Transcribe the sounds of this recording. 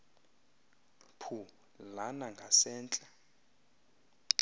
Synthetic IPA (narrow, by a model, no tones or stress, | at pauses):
pʰu | lanaŋɡʱasɛːnt͡ɬʼa